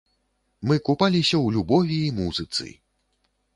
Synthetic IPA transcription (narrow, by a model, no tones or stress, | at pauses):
mɨkupalʲisʲɐwlʲubɔvʲiːmuzɨt̪sɨ̰